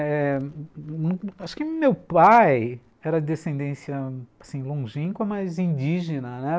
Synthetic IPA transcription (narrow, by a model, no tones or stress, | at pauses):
ɛ | naʃʊ̥kɪmewpaj | ɛɾɐd̪esẽnd̪ẽsiɐasĩlõʒĩŋkɐmajzĩnd͡ʒiʒenɐnɛ